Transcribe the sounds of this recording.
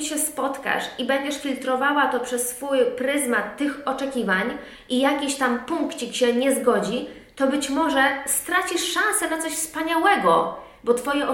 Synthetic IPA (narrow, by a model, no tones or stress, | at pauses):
ɕɛspɔt̪ka̰ʂibɛɲd͡ʑɛʂfʲilt̪ɾɔvawat̪ɔpʂɛsːfujpɾɘzmat̪ːɘxɔt͡ʂɛkʲivaɲ | ʔijakʲiɕt̪ampuŋkt͡ɕikɕɛɲɛzɡɔd͡ʑi | t̪ɔbɘt͡ɕmɔʐɛst̪ɾat͡ɕiʂːãñsɛnat̪ɔɕfspaɲawɛɡɔ | bɔt̪fɔjɛʔ